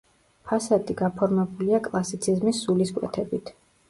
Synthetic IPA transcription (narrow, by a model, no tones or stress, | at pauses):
pʰasad̪iɡapʰɔɾmɛbuliakʼlˠasit̪sʰizmisːuliskʼwɛ̰t̪ʰɛbit̪ʰ